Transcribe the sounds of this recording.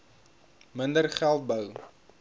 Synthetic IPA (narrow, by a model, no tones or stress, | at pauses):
məndərχælˠt̚bəw